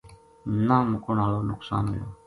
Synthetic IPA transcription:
namʊkʊnaːloːnʊksa̰ːnɦo̰jo̰ː

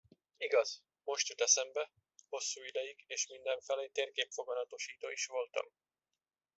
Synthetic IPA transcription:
iɡɒz̥ | mo̞ʃt̪yt̪ɛsɛmbɛ | ho̞sːuːid̪ɛjiɡeːʃmind̪ɛɱfɛleːt̪eːrkeːpfo̞ɡɒnɒt̪o̞ʃiːt̪oːiʃʋo̞lt̪ɒ̰m

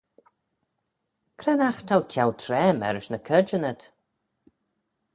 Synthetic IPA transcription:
kʰɾɛnaxt̪ʰawkʰawtʰɾɛːmɛ̰ɾɪʃnəkʰəd͡ʒənət̪

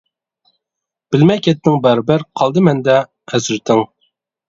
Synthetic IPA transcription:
b̥ɪlmɛkʰʲɛt̪nɪŋbæɾbæɾqʰɑlˠd̪ɨmɛnd̪ɛ | hɛzɪɾt̪ʰɪŋ

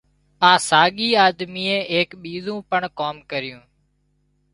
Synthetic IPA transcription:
aːsaːɠiːaːd̪miːẽːeːkɓiːzũːpəɳkoːmkəɾɪjũː

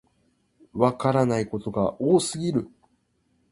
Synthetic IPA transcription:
βakaɾanaiko̞t̪o̞ɡaʔoːsɨɡʲiɾɯ̟

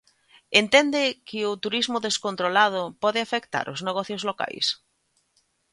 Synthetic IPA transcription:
ent̪ɛnd̪ɪkɪʊt̪uɾizmʊðeskont̪ɾolað̞ʊpɔðɪafekt̪a̰ɾʔʊzneɣ̞ɔθjozloka̰js

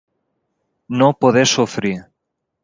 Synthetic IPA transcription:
nopoðesufɾi

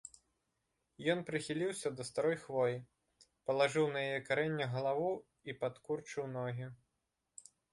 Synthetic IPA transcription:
jɔnpɾɨxʲilʲiwsʲɐd̪ɐst̪aɾɔjxvɔji | pɐlˠaʐɨwnɐjajɛkaɾɛnʲːɐɣɐlˠavu | ipat̪kurt͡ʂɨwnɔɦʲi

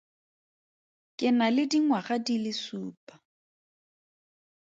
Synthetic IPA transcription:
kʼɪnalɪdiŋwaχadilɪsuːpʼḁ

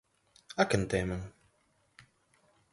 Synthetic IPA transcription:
akənt̪eməŋ

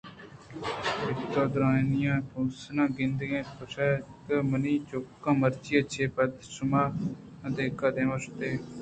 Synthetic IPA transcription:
ɪt̪oːd̪ʊɾãːnɪjãːpoːsnãːɡɪ̃nd̪ɡẽːspəsaːkəməniːt͡ʃokːãːməɾt͡ʃiːət͡ʃʰeːpəd̪sʊmaː | əd̪eːkad̪ẽːʋəsʊt̪eː

